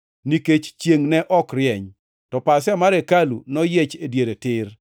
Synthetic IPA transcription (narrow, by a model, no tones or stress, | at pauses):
niket͡ʃt͡ʃjeŋnɛʔɔkrjɛɲ | tɔpasɪamaɾekalunɔjet͡ʃedjeɾetɪr